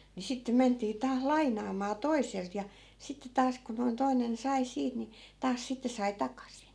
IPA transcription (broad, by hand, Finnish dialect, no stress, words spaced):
ni sitːem̆ mentˑiː tɑːs lɑinˑɑːmɑː toiselt jɑ sitːe tɑːs ku noi̯n toi̯nen sɑi siːt ni tɑːs sitːe sɑi tɑkɑsin